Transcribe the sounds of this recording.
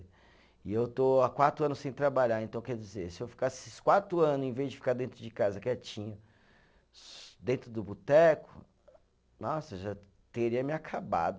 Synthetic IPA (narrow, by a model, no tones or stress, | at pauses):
ɪewt̪oakwat̪ɾʊɐ̃nʊsẽj̃t̪ɾabaʎaɾẽnt̪ɐ̃w̃kɛɾd͡ʒizesɪewfi̥kasskwat̪ɾʊɐ̃nʊzẽvezd͡ʒɪfi̥kaɾd̪ẽnt̪ɾʊd͡ʒɪkazɐkɛt͡ʃĩɲɐ | d̪ẽnt̪ɾʊd̪ʊbut̪ɛkʊ̥ | nɔsɐʒa | t̪eɾiɐmɪakʰaba̰d̪ʊ